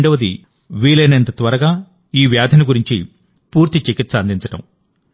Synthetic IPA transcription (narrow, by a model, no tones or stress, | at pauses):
ɳɖɐʋɐd̪ḭ | ʋiːɭɐjnɐnt̪ɐt̪ʋɐɾɐɡaː | iːʋjaːd̪ʱɐnɐɡuɾiɲt͡ʃḭ | puːɾt̪it͡ʃikit̪sɐnd̪iɲt͡ʃɐʈɐ̰m